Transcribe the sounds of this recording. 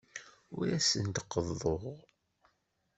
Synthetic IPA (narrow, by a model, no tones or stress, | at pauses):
ʊ̰ɾæsənt̪qːəðˤːoʁ